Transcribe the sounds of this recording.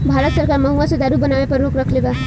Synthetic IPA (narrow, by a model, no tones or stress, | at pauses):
bʱaːɾət̪sɐɾkaːɾmɐɦuased̪aːɾubɐnaʋepəɾɾoːkɾɐkʰleɡaː